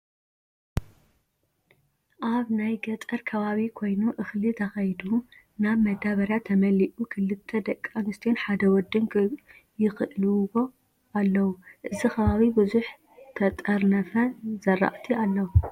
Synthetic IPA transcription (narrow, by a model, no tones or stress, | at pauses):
ʔaβnajɡɐt̪ʼɐɾkʰɐβaβikʰo̞jnuʔɨxlit̪ʰɐxɐjd̪u | naβmɐd̪aβɐɾjat̪ʰːɐmɐliʔukʰɨlɨt̪ʰːɐd̪ɐkʼːamɨst̪ʰijenħad̪ɐwɔd̪ɨn | jɪxɨʔluwo̞ | ʔalːɐwuʔɨzikɐβaβibuzuħ | t̪ʰɐt̪ʼɐɾnɐfɐzɐra̰ʔt̪ʰialːɐwu